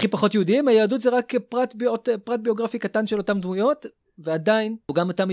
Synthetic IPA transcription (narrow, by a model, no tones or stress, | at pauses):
χipaχo̞tjɛudiimajeːdutzeʁakpʁatbiotpʁat̚bio̞ɡʁafikatanʃe̞lo̞tamdmujo̞t | veadainuɡamotam